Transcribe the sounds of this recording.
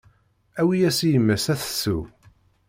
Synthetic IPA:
æwijæsijəmːəsæθə̥sṵ

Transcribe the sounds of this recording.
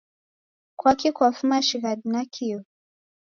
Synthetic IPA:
kwakikwafumaʃiɣadinakʰiɔ

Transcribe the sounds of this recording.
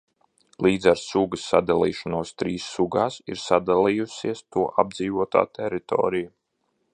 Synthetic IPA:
lˠiːd̪zaɾsuɡəsːa̰d̪alˠiːʃanuɔst̪ɾiːsːuɡaːsḭɾsad̪alˠijusiɛst̪uɔʔab̚d̪ziːvuɔt̪a̰ːt̪ɛɾit̪ɔ̰ːɾiju

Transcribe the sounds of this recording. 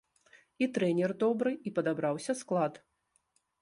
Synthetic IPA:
it̪ɾɛnʲɛrd̪ɔbɾɨipɐd̪abɾawsʲɐsklˠat̪

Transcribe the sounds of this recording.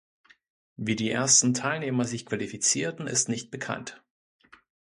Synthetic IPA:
viːdiːʔeɐstn̩tʰaɪlneːmɐzɪçkv̥alifit͡siːɐtn̩ɪ̰stnɪçt̚b̥əkʰa̰nt

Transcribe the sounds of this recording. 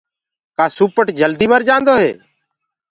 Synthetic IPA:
kaːsuːpəʈd͡ʒəld̪iːməɾd͡ʒãːnd̪oːɦeː

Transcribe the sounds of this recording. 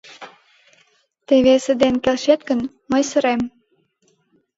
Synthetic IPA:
t̪eβesə̆d̪enkelʃet̪̚kə̆n | məjsə̆ɾem

